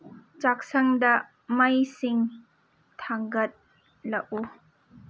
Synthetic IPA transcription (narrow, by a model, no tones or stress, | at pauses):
t͡ʃak̚sɐŋdɐ | majsiŋ | tʰaŋɡɐt̪̚ | lɐʔu